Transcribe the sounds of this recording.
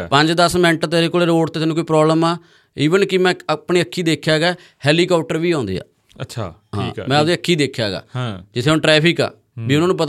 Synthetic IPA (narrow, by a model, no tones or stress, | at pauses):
pəɲd͡ʒd̪əsmɛ̃ːɳʈt̪eːɾeːkoːleːɾoːʈt̪eːt̪ɛːnũːkoiːpɾɔːbləmaː | iːʋənkɪmɛ̃ːpɳiːəkʰːiːd̪eːkʰːjaːɡɛː | hɛːliːkɔːp̚ʰʈəɾʋiːãːnd̪ḭːa̰ː | ətːʃʰaɦã̰mɛ̃ːp̪iːəkʰːiːd̪eːkʰja̰ːɡa̰ːd͡ʒɪt̪ʰːeːʊnʈɾɛːpʰɪka̰ː | biːʊnãːnũːpət̪